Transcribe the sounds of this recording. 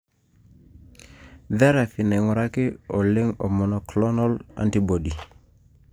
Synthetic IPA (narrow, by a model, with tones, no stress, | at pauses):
ðɛ˦ɾa˨fi˨nɛ˨ŋu˨ɾa˦kɪ˦ɔ˨lɪ˦ŋɔ̰˨mɔ˨nɔ˨klɔ˦nɔ˦la̰˨nti˦bo˨di˨